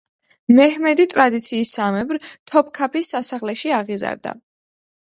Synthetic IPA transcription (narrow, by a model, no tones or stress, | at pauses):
mɛhmɛd̪it̪ʼɾad̪it̪sʰiːsːamɛbɾt̪ʰɔp̚ʰkʰapʰisːasaʁlɛʃiaʁiza̰ɾd̪a̰